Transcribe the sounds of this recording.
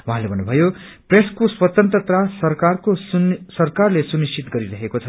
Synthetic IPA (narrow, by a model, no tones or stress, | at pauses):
waɦãlebʱʌnːubʱʌjo | preskoswʌt̪ʌnt̪rʌt̪rasʌrkarkosʌrkarlesunist͡ʃʰit̪ɡʌɾiɾʌɦekot͡sʰʌ